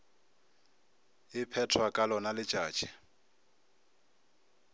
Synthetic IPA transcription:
ɪpʰɛtʰwakʼalɔnalɪt͡ʃʼaːt͡ʃʼɛ

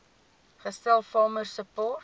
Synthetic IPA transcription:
χəstɛlˠfɑːmərsəpɔːt

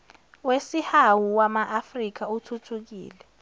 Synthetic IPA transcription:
wesihawuwamaʔafrik̬autʰutʰuk̬ḭːlɛ

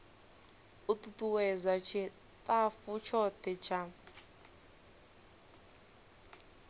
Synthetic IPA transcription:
ut̪utuwɛzʷat͡ʃʰɛ | tʼafut͡ʃʰɔtɛt͡ʃʰa

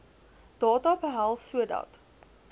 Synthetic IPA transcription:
d̥ɑːtɑbəɦælˠsuədɐ̰t

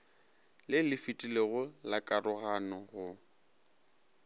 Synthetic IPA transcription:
lɪlɪfitʼileɣʊlakʼarʊɣanɔɣʊ

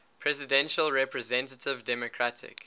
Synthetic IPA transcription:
pʰɹɛzɪdɛ̃nʃəlˠɹɛpʰɹəzɛ̃ntətʰɪvdɛmɔkʰɹ̥atʰɪ̰k

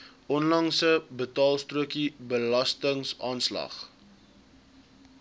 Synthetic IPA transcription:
ʔɔnlɐŋsəbətɑːlˠstruəkibəlɐstəŋsɑːnslɐ̰χ

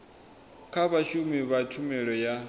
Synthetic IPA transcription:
kʰaβaʃumiβat͡ʃʰumɛɺɔja

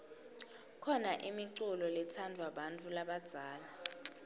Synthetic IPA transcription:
kʰɔnaʔimiǀulɔlɛtʰandʱwaɓantʼulaɓad̥z̥ʱaːla

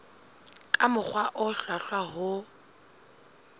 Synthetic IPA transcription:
kʼamʊk͡xwaʔʊɬwaɬwaɦʊ

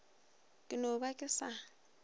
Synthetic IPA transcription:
kʼɪnobakʼɪsa

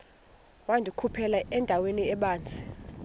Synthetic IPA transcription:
wandʱukʰupʰɛlaʔɛndʱaweniɛɓaːnt͡sʼi̥

